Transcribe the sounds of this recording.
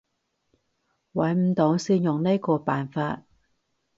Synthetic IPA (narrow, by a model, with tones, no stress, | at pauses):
wɐ˨˥jm̩˨˥t̪o˨˧˥wsiː˥njʊ˨ŋneː˥kɔː˧paː˨nfaː˧t̚